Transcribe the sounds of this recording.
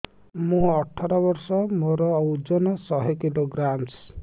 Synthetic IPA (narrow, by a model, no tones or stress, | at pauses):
mũɔʈʰaɾɔbɔɾsɔmoɾɔːwd͡ʒɔnɔsɔɦekiloɡɾams